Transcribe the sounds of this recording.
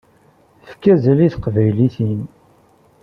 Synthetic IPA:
fkːæzæliθəqvæjliθin

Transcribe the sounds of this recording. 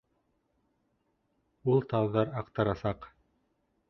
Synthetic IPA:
ulˠt̪ɑwðɑɾɑqt̪ɑɾɑsɑq

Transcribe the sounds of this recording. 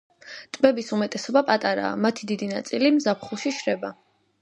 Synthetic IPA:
t̪ʼmɛbisumɛt̪ʼɛsɔbapʼat̪ʼaɾa̰ːmat̪ʰid̪id̪inat̪sʼilimzapχuʃiʃɾɛba

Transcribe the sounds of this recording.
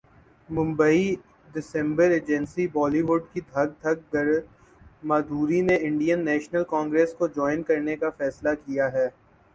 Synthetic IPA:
mʊ̃mbəi | ɖɪsɛ̃mbəɾeːd͡ʒɛ̃nsibɔːliʋʊɖkid̪ʱɐɡ̚d̪ʱɐɡ̚ɡɐɾ | maːd̪ʱuːɾineɪ̃ɳɖijənːɛːʃnəlkɔ̃ːŋɡɾeːskod͡ʒɔːɪnkɐɾnekafɛːslakijaɦɛː

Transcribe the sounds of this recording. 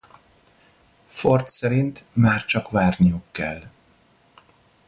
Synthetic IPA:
fort̪sɛɾint̪maːrt͡ʃɒkvaːrnijukːɛ̰l

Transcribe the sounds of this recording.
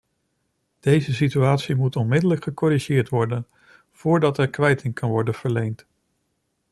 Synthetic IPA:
d̥ejzəsityaːtsimutɔnmɪdələkχəkɔɾiʒɪːɹtʋɔɹdən | v̥ʊːɹdɑtɛɹkʋɛjtɪŋkɑnʋɔɹdənv̥əɹlejnt

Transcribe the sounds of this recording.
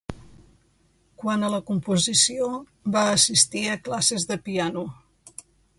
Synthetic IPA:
kwanələkumpuzisio | βaəsist̪iəklasezðəpianu

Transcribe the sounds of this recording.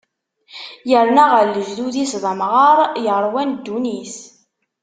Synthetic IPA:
jəɾnaʁəɾlːəʒðuðisðˤəmʁɑɾˤjəɾˤwænd̪ːunis

